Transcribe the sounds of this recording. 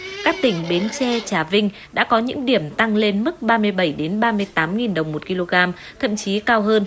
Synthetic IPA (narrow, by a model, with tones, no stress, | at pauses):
kaː˦˥k̚t̪ï˧˩ŋ̟ɓe˨˦nt͡ɕɛ˧t͡ɕaː˧˩vï˧ŋ̟ | ɗa̰ː˧˥kɔ˨˦ɲɨ̰˧˥ŋɗi˧˩əmt̪a˧ŋle˧nmɨ˦˥k̚ɓaː˧mɨ˧əjɓə˧˩jɗe˨˦nɓaː˧mɨ˧əjt̪aː˨˦mŋi˨˩nɗə˨˩wŋ͡mmo˨˩t̚ki˧lo˧ɣaː˧m | t̪ʰə̰˧˨mt͡ɕi˨˦kaː˧wɦəː˧n